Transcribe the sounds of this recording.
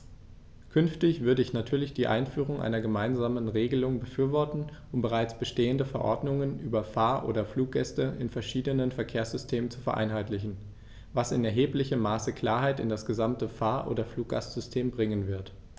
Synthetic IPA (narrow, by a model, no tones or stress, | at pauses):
kʰʏnftɪçv̥ʏɐdəɪçnatʰyːɐlɪçd̥iːʔa̰ɪnfyːʁ̞ʊŋʔa̰ɪnɐɡəmaɪnzaːmənʁeːɡəlʊŋbəfyːɐvɔɐtn̩ʔʊmbəʁ̞aɪt͡sb̥əʃteːəndəfɛɐʔɔɐdnʊŋənʔyːbɐfaːɐʔo̰ːdɐfluːk̚ɡ̥ɛstəʔɪ̰nfɛɐʃiːdənənfɛɐkʰeːɐsz̥ʏstʰeːmənt͡su̥fɛɐʔa̰ɪnɦaɪtlɪçn̩ | vasɪnɛɐɦeːplɪçəmːaːsəkl̥aːɐɦaɪtɪ̰ndasɡ̥əzamtəfaːɐʔo̰ːdɐfluːk̚ɡ̥a̰stz̥ʏstʰeːmbʁɪŋənvɪɐt